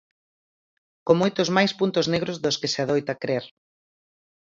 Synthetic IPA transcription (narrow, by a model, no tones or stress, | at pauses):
komojt̪ʊzmajspunt̪ʊzneɣɾozðoskɪseaðojt̪akɾeɾ